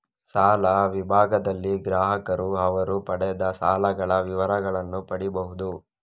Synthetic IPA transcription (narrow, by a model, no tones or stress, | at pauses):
saːlɐʋibʱaːɡɐd̪ɐlːiɡɾaːɦɐkɐɾuɐʋɐɾupɐɽɛjɐd̪ɐsaːlɐɡɐɭɐʋiʋɐɾɐɡɐɭɐnːupɐɽibɐɦud̪u